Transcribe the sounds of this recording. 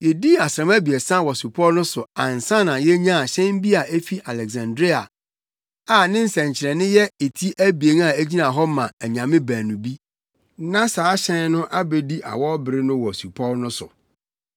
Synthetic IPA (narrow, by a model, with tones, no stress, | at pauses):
jɛ˨di˦a˨sɾã˨mæ˦bi˨e˨sã˦˨wɔ˨su˨pʰɔ˦lnʊ̃˦sʊ˨ã˨n̩˨sã˦nã˨jɛ˦ɲã˦˨ɕɛ̃˦m˦bi˦a˨e˦fi˦ʔa˨lɛ˨ks̬ã˨ndɾi˦a˨ | a˨nɪ̃˦n̩˦sɛ̃˨ɲ˨t͡ɕʰɪ˨ɛ˨nɪ̃˦jɛ˦e˨tʰi˦ʔæ˦bi˨e˨n˦a˨æ˦d͡ʑi˦nã˨ɦɔ˦mã˨æ˨ɲã˨mɪ̃˦bæː˨nũ˨bi˦ | nã˦saː˨˦ɕɛ̃˦n˦nʊ̃˦ʔa˦be˨di˦ʔa̰˨wɔ˦bɪ˨ɾɪ˦nʊ̃˦wɔ˨su˨pʰɔ˦lnʊ̃˦sʊ̰˨